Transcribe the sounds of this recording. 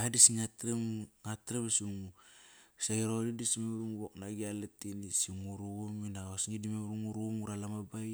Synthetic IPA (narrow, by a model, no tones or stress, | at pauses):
adisiŋatɾemŋatɾebesiŋu | saiɾodidisimeɾuŋubok̚naɡialetinisiŋuɾuɡuminaosŋidimemɾuŋuɾuŋuɾalamabaj